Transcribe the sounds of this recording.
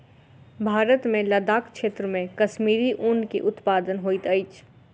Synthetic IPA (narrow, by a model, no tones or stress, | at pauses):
bʱaːɾət̪mẽlɐd̪aːkʃeːt̪ɾəmẽkɐʃmiːɾiʔʊ̃nɖkḭʔʊt̪paːd̪ənɦoːit̪ɐɪt͡ʃ